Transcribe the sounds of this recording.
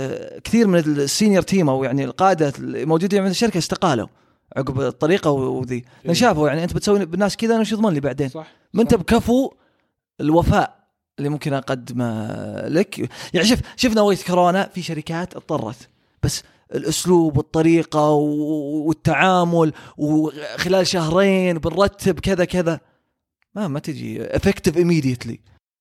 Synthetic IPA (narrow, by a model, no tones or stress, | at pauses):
kθiːɾmɪnɪsːiːnjɑɾˤt̪ʰiːmawjaʕnilqɑːʔɪd̪amowd͡ʒuːd̪ajaiʕɪnd̪ɪʃːaɾɪkaɪst̪ɪqɑːla̰ | ʕʊɡbt̪ˤːɑɾiːqɑwðiː | nʃaːfajaʕniʔɪnt̪bɪt̪sawːibɪnːaːskɪd̪anaʃiðˤmaːnliːbaʕd̪eːn | mɪnt̪abkafu | ɪlwafaːʔ | ɪlːimʊmkɪnʔɑqad̪ːma̰lɪkjaʕniʃɪfʃɪfnawajːɪt̪kɑɾˤɑːnafiʃaɾɪkaːt̪ʔɑt̪ˤːɑrˤːɑ̰t̪ | b̥asː | ɪlʔʊsluːbwɨt̪ˤːɑɾiːqɑwwɪt̪ːaʕaːmʊlwxɪlaːlʃahɾˤeːnwbɪnɾˤɑt̪ːɪbkɪðakɪða | mamat̪ɪd͡ʒḭʔɪ̰fɪkt̪ɪvʔɪmːiːd̪jat̪lḭ